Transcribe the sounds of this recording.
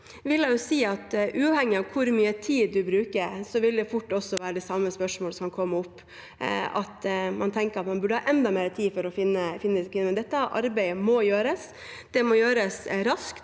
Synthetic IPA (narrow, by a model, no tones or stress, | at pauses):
ʋɪljæɪjʊsiːɑt̪ʔʉːɑʋhɛŋːɪɑʋkʰʊɾmyːət̪ʰiːd̪d̪ʉbɾʉːkəɾsɔʋɪld̪ɛfʊʈːɔsːɔʋæːɾəd̪ɛsɑmːəspœʂmoːləsɔmɑnkʰɔmːʊpː | ɑ̰t̪mɑnt̪ʰɛŋkəɾɑt̪mɑnbʉɖəhɑːʔɛnd̪ɑmeːɾt̪ʰiːfɔɾɔfɪnːəfɪnːəskʰʋɪnːənd̪ɛt̪ːəʔɑ̰ɾbæɪmɔjøːɾəs | d̪̥ɛmɔjøːɾəsɾɑskt̪